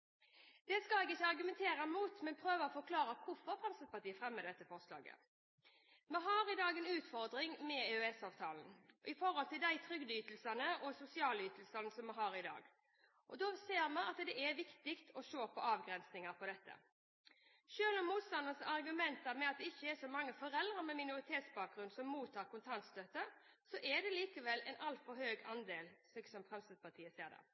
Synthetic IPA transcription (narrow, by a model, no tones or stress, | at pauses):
d̪̥ɛskɑɛːɡɪçːəɑɾɡʉmɛnt̪ʰeːɾɑmuːt̪mɛnpʰʁøːʋəɔfɔɾkʰlɑːɾəkʰʊfɔʁfʁɑmsəpɑt̪ʰiːəfʁɛmːəd̪ɛt̪ːəfɔʁslɑ̰ːɡə̰ | mɛɦɑːɾɪd̪ɑːɡɛnʉːt̪fɔʁd̪ʁɪŋmɛʉɛsɑːʋt̪ʰɑːln̩ʔɪfɔɾhɔlt̪ʰɪld̪æɪt̪ʰʁʏɡd̪əyːt̪lsɑnəʔɔsʊsɪɑːlyːt̪lsɑnəsɔmːɛɦɑːɾɪd̪ɑ̰ːɡ | ʔɔd̪ɔseːɾmɑnɑt̪d̪ɛʔæʋɪkt̪ɪkt̪ʰɔʃoːpʰɔɑːʋɡʁɛnsnɪŋɑɾpʰɔd̪ɛt̪ʰːə̰ | ʃøːlɔmːuːt̪st̪ɑnənsɑʁɡʉmɛnt̪əɾmɛɑt̪̚d̪ɛɪçːəɛʂɔmɑŋːəfɔɾɛld̪ʁəɾmɛmɪnʊʁɪt̪ʰeːt̪sbɑːk̚ɡʁʉnd̪sɔmːuːt̪ʰːɑːʁkʊnt̪ʰɑnt̪st̪øt̪ːə | sɔʔɛd̪ɛliːkəʋɛlɛnʔɑlt̪fɔɾhøːɡɑnd̪eːlsɛsɔmfʁɛmsɪd̪̚pʰɑt̪ʰiːəseːɾd̪ɛ̰